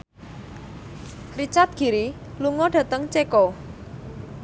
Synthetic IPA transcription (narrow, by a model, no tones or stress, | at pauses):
rit͡ʃart̪̚ɡ̥i̤ɾi | luŋɔɖ̥ä̤t̪əŋt͡ʃekɔ